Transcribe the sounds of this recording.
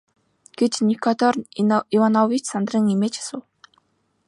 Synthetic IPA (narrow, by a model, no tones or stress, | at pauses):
ɡ̥et͡ɕnʲikʰɔt̪ɔriwɔnɔwit͡ɕsand̪rĭːŋimeːt͡ɕḁsʊ̆w